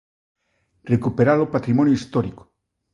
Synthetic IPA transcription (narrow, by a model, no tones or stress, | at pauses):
rekupeɾalopat̪ɾimõnjoist̪oɾiko̥